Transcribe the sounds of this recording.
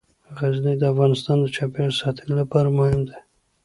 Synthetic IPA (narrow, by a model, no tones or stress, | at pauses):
ɣaznijd̪əafɣɑnɪst̪ɑnd̪ət͡ʃɑpjeɳsɑt̪ʰəlilapɑɾamahɪmd̪e